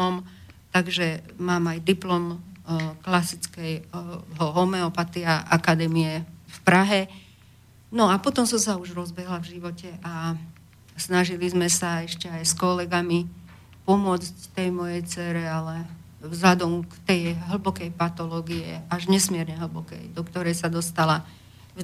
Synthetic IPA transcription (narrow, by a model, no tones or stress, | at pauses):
ɔm | t̪aɡʒɛmaːmajd̪iplɔm | klasit͡skɛjɦɔɦɔmɛɔpat̪iaʔakad̪ɛːmiɛfpɾaɦɛ | nɔapɔt̪ɔmsɔmsauʒɾɔzbɛɦlavʒiʋɔcɛʔa | snaʒilizmɛsaɛʃcɛajskɔlɛɡami | pɔmʊɔt͡sct̪ɛjmɔjɛjt͡sɛɾɛalɛ | vzlad̪ɔmkt̪ɛjɦl̩bɔkɛjpat̪ɔlɔːɡiɛ̰aʒɲɛsmɪɛɾɲɛɦl̩bɔkɛ̰jd̪ɔkt̪ɔɾɛjsad̪ɔst̪ala